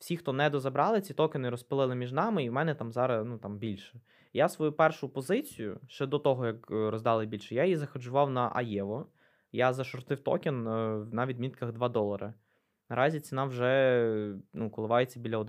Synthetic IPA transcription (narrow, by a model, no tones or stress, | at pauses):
wsʲixt̪ɔnɛd̪ɔzɐbɾɑlˠɪt͡sʲit̪ɔkʲɪnɪɾɔspɪlˠɪlˠɪmʲiʒnɑmɪiwmɛnɛt̪ɑmzɑɾɐnut̪ɑmbʲilʲʃɛ̥ | jasʋɔjupɛrʃʊpɔzɪt͡sʲijʊ̰ʃt͡ʃɛd̪ɔt̪ɔɦɔjɐkɾɔzd̪ɑlˠɪbʲilʲʃɛjajjizɐxɐd͡ʒʊʋɑwnɐʔɐ̰jɛʋɔ | jazɐʃɔrt̪ɪwt̪ɔ̰kʲɪnwnɑʋʲid̪ʲmʲit̪kɐɣd̪ʋɑd̪ɔlˠɐɾɐ | nɐɾʔɑzʲit͡sʲinɑwʒɛ | nukɔlˠɪʋɑjet͡sʲːɐbʲilʲɐɔd̪